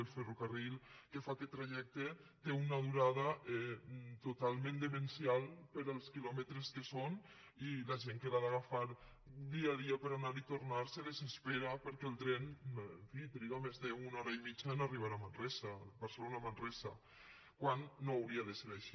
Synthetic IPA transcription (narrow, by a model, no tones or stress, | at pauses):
elferokarilˠkefakɛt̪ːɾaʒɛk̚t̪et̪eunaðuɾaðaɛt̪ot̪alˠmẽnd̪emensjalˠpəɾəlˠskilɔmet̪ɾeskeson | ilaʒeŋkelaðaɣafaɾ | d̪iaðiapəɾanaɾit̪oɾnaɾseðezespeɾapəɾkɛːlˠt̪ɾɛneɱfit̪ɾiɣamezðeunɔɾaimit͡ʃaenariβaɾamanrɛsabaɾselonamanrɛza̰ | kwanːoawɾiaðeseɾajʃi